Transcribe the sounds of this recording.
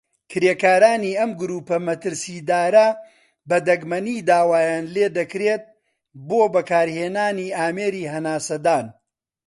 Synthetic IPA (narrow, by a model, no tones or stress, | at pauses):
kʰɾeːkaːɾaːniːʔɐmɡʊɾuːpɐmɐt̪ɨɾsiːd̪aːɾɐ | bɐd̪ɐɡmɐniːd̪aːwaːjaːnleːd̪ɐkɾeːt̪̚ | boːbɐkaːɾheːnaːniːaːmeːɾiːɦɐnaːsɐd̪aːn